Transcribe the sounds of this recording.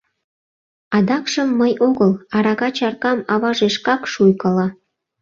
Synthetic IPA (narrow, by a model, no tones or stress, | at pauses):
ɑd̪ɑkʃəmːəjoɣəlɑɾɑɣɑt͡ɕɑrkɑmɑβɑʒeʃkɑkʃujkɑlɑ